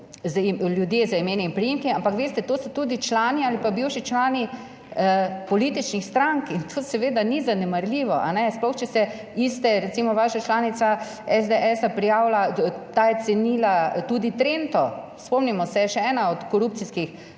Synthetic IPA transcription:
ziljud̪jeːzaimeːnɛinpɾijeːmkiampakʋeːst̪ɛt̪oːsɔt̪uːd̪it͡ʃlaːniaːlipabiwʃit͡ʃlaːni | əpɔliːt̪it͡ʃnixst̪ɾaŋkint̪ʰoːsɛʋeːd̪anizanɛmaɾliʋɔʔa̰nɛsplɔxt͡ʃɛsɛ | ist̪ɛɾɛt̪simɔʋaːʃat͡ʃlaːnit̪sa | ɛzd̪eʔɛsapɾijaːwlat̪aːjɛt̪sɛniːlat̪uːd̪it̪ɾeːnt̪ɔ | spɔmnimɔsɛjɛʃɛɛːnaɔt̪kɔɾuːp̪̚siskix

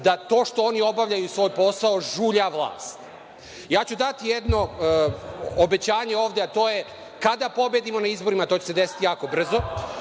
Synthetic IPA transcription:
d̪at̪o̞ːʂt̪o̞o̞nio̞baʋʎajusʋo̞ːjpo̞saoʒuʎaʋlˠa̰ːst̪ | jaːt͡ɕud̪at̪ijed̪no̞ | obe̞t͡ɕaːɲe̞o̞ːʋd̪eat̪o̞ːje | kad̪apo̞bed̪imo̞naizbo̞ɾimat̪o̞ːt͡ɕese̞d̪esi̥t̪ijaːko̞br̩zo̞

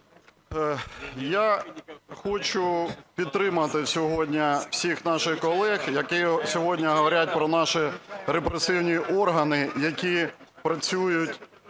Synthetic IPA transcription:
ja | xɔt͡ʃʊpʲid̪t̪ɾɪmɐt̪ɪsʲɔɦɔdʲnʲɐw̥sʲixnɑʃɪxkɔlˠɛxjɐkɛsʲɔɦɔdʲnʲɐɦɔʋɐɾʲat̚ʲpɾɔnɑʃiɾepɾesɪwnʲiʔɔrɦɐnɪjɐkʲipɾɐt͡sʲujʊtʲ

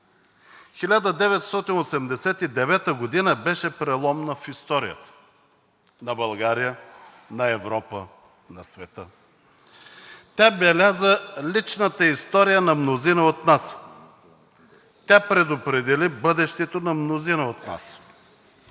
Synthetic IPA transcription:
xilʲad̪əd̪ɛvɛt̪st̪ɔt̪inosɛmd̪ɛsɛt̪id̪ɛvɛt̪əɡod̪inəbɛʃɛpɾɛlˠɔmnəfist̪ɔɾijə̰t̪ə̥ | nɐbɐlˠɡaɾijə | nɐɛvɾɔpə | nɐsvɛt̪ə | t̪ʲabɛlʲazəlit͡ʃnət̪əist̪ɔɾijənɐmnozinəot̪nas | t̪ʲapɾɛd̪opɾɛd̪ɛlibɤd̪ɛʃt̪ɛt̪onɐmnozinəot̪na̰s

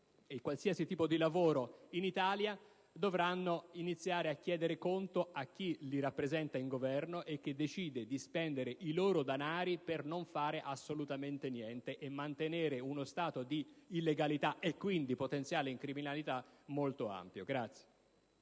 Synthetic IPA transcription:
ekːwalsiasit̪iːpod̪ilavoːɾoinit̪aːlja | d̪ovɾanːoinit̪sːjaːɾeakːjɛːd̪eɾekont̪oak̟ːiliɾapːɾezɛnt̪aiŋɡovɛrnoʔek̟ːed̪ːet͡ʃiːd̪ed̪ispɛnd̪eɾeʔiloːɾod̪anaːɾipernoɱfaːɾeʔasːolut̪ament̪enjɛnt̪eʔemːant̪eneːɾeunost̪aːt̪od̪iːlːeɡalit̪aʔekːwind̪ipot̪ent̪sjaːleiŋkɾiminalit̪amolt̪oa̰mpjoɡɾat̪sːje̥

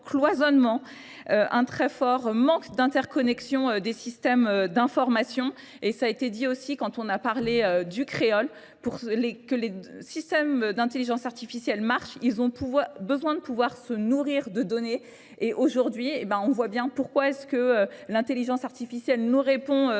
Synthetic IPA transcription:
klwazɔnmɑ̃ | øʔɛ̃t̪χɛfɔʁmɑ̃kd̪ɛ̃t̪ɛʁkɔnɛksjɔ̃ød̪esist̪ɛmød̪ɛ̃fɔʁmasjɔ̃ | esaːet̪ed̪iosikɑ̃t̪ɔ̃napaʁleød̪ykχeɔl | puʁlekəlesist̪ɛmd̪ɛ̃t̪eliʒɑ̃saʁt̪ifisjɛlmaʁʃilzɔ̃puvwabəzwɛ̃d̪əpuvwaʁsənuʁiʁd̪əd̪ɔne | eʔoʒuʁd̪ɥiebãɔ̃vwabjɛ̃puʁkwaɛskəølɛ̃t̪eliʒɑ̃saʁt̪ifisjɛlnuʁepɔ̃ø

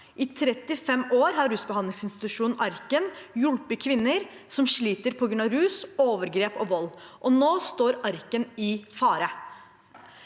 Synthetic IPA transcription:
ʔɪt̪ʰɾɛt̪ːɪfɛmoːɾɦɑɾʉsbəɑnlɪŋsɪnst̪ɪt̪ʉʂuːnn̩ʔɑɾkənjʉlpəkʰʋɪnːəɾ | sɔmʂɭiːt̪əɾpʰɔɡɾʉnɑɾʉːsoːʋəɾɡɾeːpɔʋɔlːʔɔnoːst̪oːɾɑɾkənɪfɑːɾə

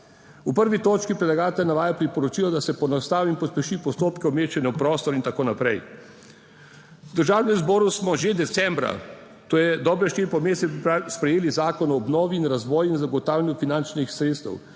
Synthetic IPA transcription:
upəɾʋit̪oːt͡ʃkipɾɛdlaɡaːt̪ɛljnaʋaːjapɾipɔɾɔt͡ʃiːlɔd̪asɛpɔnast̪aːʋimpɔspɛʃipɔst̪oːpkɛɔmeːt͡ʃɛnjɛwpɾɔːst̪ɔɾint̪akoːnapɾɛj | wd̪əɾʒaːwnɛmzbɔːɾusmɔʒed̪ɛt̪sɛmbɾa̰ | t̪oːjɛd̪ɔːbɾɛʃt̪iːɾipɔmeːsɛspɾɛjeːlizaːkɔnɔːbnɔːʋiːnɾazʋɔːjinzaɡɔt̪aːwlʲɛnjufinant͡ʃnixsɾet̪st̪ɛ̰w

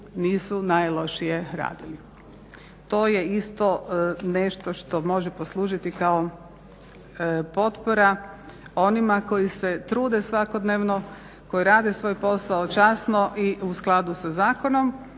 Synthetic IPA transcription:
niːsunajlˠo̞ʃijeɾa̰ːd̪ili | t̪o̞ːjeist̪o̞ne̞ʃt̪o̞ʃt̪o̞mo̞ʒepo̞slˠuːʒit̪ikao | po̞t̪poɾa | o̞nimako̞jiset̪ɾuːd̪esʋako̞d̪neːʋno | ko̞jiɾaːd̪esʋo̞jpo̞saot͡ʃasnoʔiusklˠad̪usazaːko̞no̞m

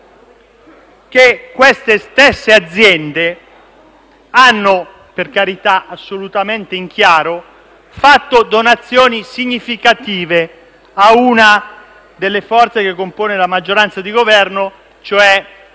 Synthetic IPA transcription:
k̟ekːwest̪est̪esːead̪zːjɛnd̪e | anːo | perkaɾit̪aʔasːolut̪ament̪eiŋk̟ʰjaːɾo | fat̪ːod̪onat̪sːjɔːnisiɲːifikat̪iːve | auna | d̪elːefɔrt̪sekekːompoːnelamad͡ʒːoɾant̪sad̪iɡovɛrno | t͡ʃoɛ

